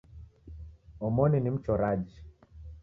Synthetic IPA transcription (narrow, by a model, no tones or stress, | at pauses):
ɔmɔninim̩t͡ʃɔɾad͡ʒ